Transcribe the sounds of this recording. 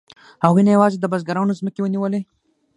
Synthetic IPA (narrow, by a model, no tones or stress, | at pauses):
awinajawɑzed̪əbazɡaɾawnozməkewəniwəle